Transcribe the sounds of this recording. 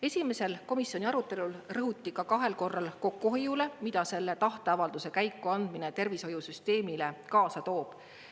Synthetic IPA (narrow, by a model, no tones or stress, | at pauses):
e̞sʲime̞se̞lko̞misːjo̞nʲiɑɾut̪ːˑe̞lulrɤɦut̪ˑːikɑkɑɦe̞lko̞rːɑlko̞kːuɦojule̞mid̪̥ɑse̞lːe̞t̪ɑht̪eɑvɑld̪̥use̞kæjkːuɑnd̪̥minet̪e̞rviso̞jusyst̪e̞ːmilekɑːsɑt̪o̞ːb̥